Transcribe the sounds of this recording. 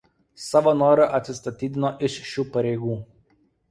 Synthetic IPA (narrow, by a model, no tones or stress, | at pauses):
sɑːʋoːnoːɾɐʔɐt̪ʲsʲɪst̪ɐt̪ʲiːd̪ʲɪnoːʔɪʃʃʲuːpɐɾʲɛɪɡuː